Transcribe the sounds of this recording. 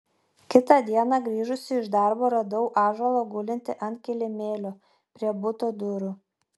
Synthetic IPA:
kʲɪt̪ɑˑd̪ʲiɛnɑɡɾʲiːʒʊsʲɪɪʒd̪ɐˑɾboːɾɐd̪ɐʊʔɑːʒɐlˠoːɡʊlʲɪnʲt̪ʲɪʔɐnʲt̪̚ʲkʲɛlʲɪmʲeːlʲo | pʲɾʲiɛbʊt̪od̪ʊɾʊ

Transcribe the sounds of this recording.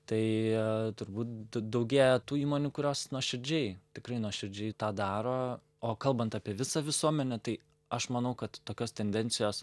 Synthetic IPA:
t̪ɐɪt̪ʊɾbuːt̪̚d̪ɐʊɡʲeːjɛt̪uːiːmoːnʲuːkʊɾʲoːsnuɔʃʲɪɾʲd͡ʒʲɛɪt̪ʲɪkɾɐɪnuɔʃʲɪɾʲd͡ʒʲɛɪt̪ɑːd̪ɑːɾoː | oːkɐlˠbɐnt̪ɑːpʲiɛʋʲɪsɐʋʲɪsuɔmʲɛnʲɛt̪ɐɪ | ɐʃmɐnɐʊkɐt̪tːoːkʲoːst̪ʲɛnʲd̪ʲɛnʲt͡ssʲɪjoːs

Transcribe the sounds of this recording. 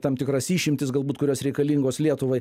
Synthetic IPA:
t̪ɐmt̪ʲɪkɾɐsiːʃʲɪmʲt̪ʲɪsɡɐlˠbuːt̪kʊɾʲoːsɾʲɛɪkɐlʲiŋɡoːslʲiɛt̪ʊʋɐɪ

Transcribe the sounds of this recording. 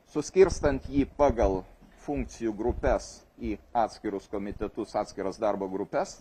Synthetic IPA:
sʊsʲkʲɪɾst̪ɐnt̪jiːpɑːɡɐlˠfuŋk̚t̪sʲɪjuːɡɾʊpʲɛs | iːɑːt̪ʲsʲkʲɪɾʊskoːmʲɪt̪ʲɛt̪ʊsɑːt̪sʲkʲɪɾɐsd̪ɑɾboːɡɾʊpʲɛs

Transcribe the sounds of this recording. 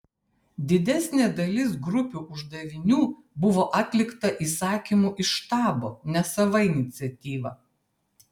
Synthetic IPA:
d̪ʲɪd̪ʲæsʲnʲeːd̪ɐlʲɪsɡɾʊpʲuːʔʊʒd̪ɐʋʲɪnʲuː | bʊʋoːʔɐt̪ʲlʲɪkt̪ɐʔiːsɑːkʲimuːʔɪʃt̪ɑːboːnʲɛsɐʋɐɪnʲɪt̪sʲɛt̪ʲiːʋɐ

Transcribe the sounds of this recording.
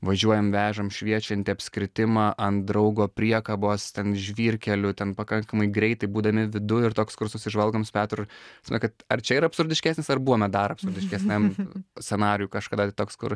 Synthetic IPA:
ʋɐʒʲuɔjɛmʋʲæːʒɐmʃʲʋʲiɛt͡ʃʲɛnʲt̪ʲɪɐpʲsʲkɾʲɪt̪ʲɪmɑːʔɐnd̪ɾɐʊɡoːpʲɾʲiɛkɐboːst̪ʲɛnʒʲʋʲiːɾʲkʲɛlʲʊt̪ʲɛnpɐkɐŋkɐmɐɪɡɾʲɛɪt̪ɐɪbuːd̪ɐmʲɪʋʲɪd̪ʊɪrt̪oːkskʊrsʊsʲɪʒʋɐlˠɡoːmspʲæːt̪ɾʊsmʲɛkɐt̪ɐrt͡ʃʲɛiːɾɐpsʊɾʲdʲɪʃʲkʲæːsʲnʲɪsɐrbuːʋoːmʲɛd̪ɐɾɐpsʊɾʲd̪ʲɪʃʲkʲɛsʲnʲɛmsʲt͡sʲɛnɑːɾʲɪjuːkɐʃkɐd̪ɐt̪ɪt̪oːkskʊ̰r

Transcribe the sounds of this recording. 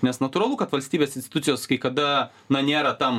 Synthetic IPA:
nʲɛsnɐt̪uːɾɐlˠʊkɐt̪ʋɐlʲsʲt̪ʲiːbʲeːsɪnsʲt̪ʲɪt̪ʊtsʲɪjoːskɐɪkɐd̪ɐ | nɐnʲeːɾɐt̪ɐm

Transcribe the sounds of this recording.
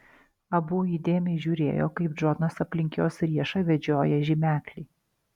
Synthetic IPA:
ɐbuːiːd̪ʲeːmʲɛɪʒʲuːɾʲḛːjo̰ːkɐɪp̚d͡ʒoːnɐsɐpʲlʲɪŋʲkʲoːsɾʲiɛʃɐʋʲɛd͡ʒʲoːjɛʒʲɪmʲæːklʲɛɪ

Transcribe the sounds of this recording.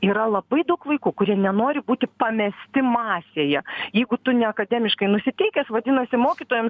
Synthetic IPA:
iːɾɐlˠɐbɐɪd̪ɐʊkʋɐɪkuːkʊɾʲiɛnʲɛnoːɾʲɪbuːt̪ʲɪpɐmʲɛsʲt̪ʲɪmɑːsʲeːjɛjɛɪɡʊt̪ʊnʲɛɐkɐd̪ʲæːmʲɪʃkɐɪnʊsʲɪt̪ʲɛɪkʲɛsʋɐd̪ʲɪnɐsʲɪmoːkʲit̪oːjɛms

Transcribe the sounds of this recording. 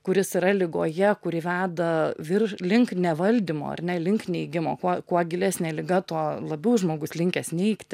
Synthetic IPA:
kʊɾʲɪsɪɾɐlʲɪɡoːjɛkʊɾʲɪʋʲæːd̪ɐʋʲɪrlʲɪŋknʲɛʋɐlʲd̪ʲɪmo̰ːɐ̰ɾʲnʲɛlʲɪŋknʲɛɪɡʲɪmo̰ːkuɔkuɔɡʲɪlʲæsʲnʲɛːlʲɪɡɐt̪uɔlˠɐbʲɛʊʒmoːɡʊslʲɪŋʲkʲɛsʲnʲɛɪkt̪ʲ

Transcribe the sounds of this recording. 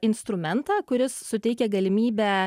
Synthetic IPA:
ɪnst̪ɾʊmʲɛnt̪ɑːkʊɾʲɪsːʊt̪ʲɛɪkʲɛɡɐlʲɪmʲiːbʲɛː

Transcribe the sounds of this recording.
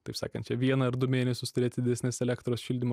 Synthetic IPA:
t̪ɐɪpsɑ̰ːkɐnt̪t͡ʃʲɛʋʲiɛnɐɐɾd̪ʊmʲeːnʲɛsʲʊst̪ʊɾʲeːt̪ʲɪd̪ʲɪd̪ʲɛsʲnʲesɛlʲækt̪ɾoːsʃʲɪlʲd̪ʲɪmo

